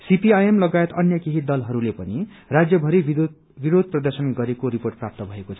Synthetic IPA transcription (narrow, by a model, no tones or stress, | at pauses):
sipiajemlʌɡaet̪ʌnjʌkeɦid̪ʌlɦʌɾulepʌni | rad͡zjʌbʱʌɾi | biɾod̪̚ʱprʌd̪ʌrsʌnɡʌɾekoɾiporʈ̚prap̚t̪ʌbʱʌekot͡sʰʌ